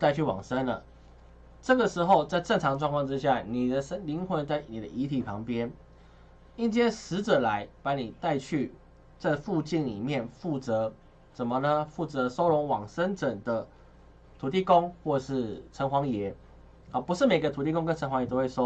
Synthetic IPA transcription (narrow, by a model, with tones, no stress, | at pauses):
t̪a˥˧ɪt͡ɕʰy˥˩wɑ̰˨˩ŋʂə˦˥nlə̰˨ | ʈ͡ʂɤ˥˩ɡə˩ʂɻ̩˧˥xo˥˧ʊt͡sa˥˧ɪʈ͡ʂə˥˩ŋʈ͡ʂʰɑ˧˥ŋʈ͡ʂwŋkʰɑ˥˧ŋʈ͡ʂɻ̩˥˦ɕja˥˩ni˨˩d̪ə˦ʂə˥nli˧˥ŋxwə˧˥nt͡sa˥˩ɪni˨˩d̪ə̰˦ʔi˧˥t̪ʰi˨˩pʰɑ˧˥ŋpjɛ˥n | i˥˩nt͡ɕjɛ˥ʂɻ̩˧˥ʈ͡ʂə˨˩la˧˦ɪpa˧˥ni˨˩t̪a˥˧ɪt͡ɕʰy˥˧ | t͡sa˥˧ɪfu˥˧t͡ɕi˥˩nlḭ˨˩mjɛ˥˨nfu˥˩t͡sɤ˧˥˦ | ʂə˨˩mə˨nə˩fu˥˩t͡sə˧˦˥so˥ʊɻʊ˧˥ŋwɑ˨˩ŋsə˥nʈ͡ʂə˨˩ŋd̪ə˦ | t̪ʰu˨˩t̪i˥˧ko˥ŋxwɔ˥˧˨ʂɻ̩˥˩ʈ͡ʂʰə˧˥ŋxwɑ˧˥ŋjɛ˧˥˦ | ə˨˩pu˧˥ʂɻ̩˥˩me˨˩ɪɡə˦t̪ʰu˨˩i˥˧kʊ˥ŋkə˥nʰə˧˥ŋxwjt̪o˥ʊwe˥˩ɪʂo˥ʊ